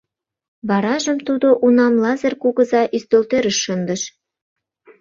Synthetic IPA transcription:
βɑɾɑʒə̆mt̪ud̪oʔunɑmlɑzə̆rkuɣɤ̆zɑʔyst̪ølt̪eɾəʃːənd̪ə̆ʃ

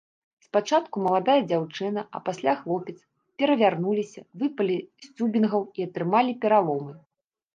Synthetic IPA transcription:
spat͡ʂat̪kumɐlˠad̪ajɐd͡zʲawt͡ʂɨnɐʔɐ̰pasʲlʲaxlˠɔpʲɛt̪s | pʲɛɾɐvʲarnulʲisʲɐvɨpɐlʲisʲt͡sʲubʲinɣɐwiɐt̪ɾɨmalʲipʲɛɾalˠɔmɨ

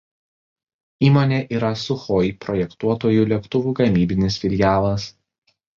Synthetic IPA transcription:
iːmoːnʲeːʔiːɾɐsʊxoɪpɾɔjɛkt̪uɔt̪oːjuːˑlʲiɛkt̪ʊʋʲuːɡɐmʲiːbʲɪnʲɪsfʲɪlʲjæːlˠɐs

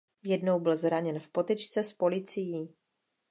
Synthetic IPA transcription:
jɛdno̞wbɪlzɾaɲɛnfpo̞t̪ɛt͡ʃt͡sɛspo̞lɪt͡sɪjiː

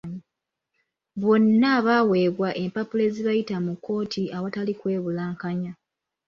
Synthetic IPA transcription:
ɲi | βo̞nːaβawe̞ːβwaʔe̞mpapule̞ːziβajitamukːo̞ːtʰiaβatalikwe̞ːβulaːŋkaɲa

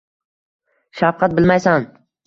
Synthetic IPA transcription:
ʃafqʰɑt̪̚bɪlmajsan

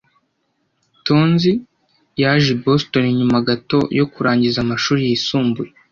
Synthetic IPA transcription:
tonzi | jaʒibo̞sto̞niɲumaɡato̞̰jo̞kuɾaːɲɟizamaʃuːɾijisuːmbuje

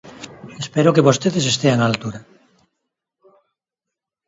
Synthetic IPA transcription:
espeɾokeβost̪eðesest̪eaŋalt̪uɾa

